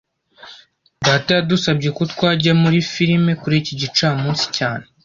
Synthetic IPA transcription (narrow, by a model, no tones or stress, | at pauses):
daːtajadusab̚ɟekotwaːɟamuɾifiɾime̞kuɾiciɟit͡ʃaːmũːnsi̥caːne